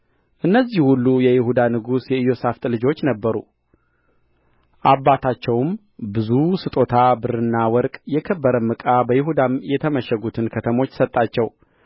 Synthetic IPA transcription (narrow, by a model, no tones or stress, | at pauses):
ʔɨnːəzːihulːujɛjɪhud̪anɨɡusjɛɨjo̞saft̪ʼlɨd͡ʒo̞t͡ʃːnəbːəɾṵ | ʔabːat̪ʰat͡ʃːɛwm | bɨzusɨt̪ʼo̞t̪ʰabɨɾɨnːawɔɾkʼjɛkʰəbːəɾəmːɨkʼabəjɪɦud̪amjɛt̪ʰəməʃɛɡut̪ʰɨnkʰət̪ʰəmo̞t͡ʃːsət̪ʼːat͡ʃːɛw